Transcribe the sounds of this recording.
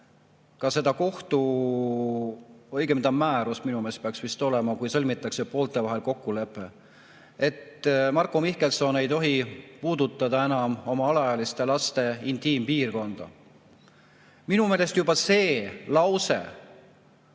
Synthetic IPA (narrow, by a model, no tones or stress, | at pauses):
kɑse̞d̪̥ɑko̞ht̪u | ojɡemd̪ɑmæːɾusminume̞ːst̪peɑksvist̪o̞le̞mɑkujsɤlʲmit̪ːˑɑksepo̞ːlt̪ˑe̞vɑɦe̞lko̞kːule̞pːˑe̞ | e̞t̪mɑrkːˑo̞mihke̞lt̪so̞ne̞jt̪o̞ɦipuːd̪ut̪ːˑɑd̪̥ɑe̞nɑmo̞mɑɑlɑjɑlist̪e̞lɑst̪e̞int̪ˑiːmpiːrko̞nd̪̥ɑ̰ | minume̞ːle̞st̪jubɑse̞ːlɑwse̞̰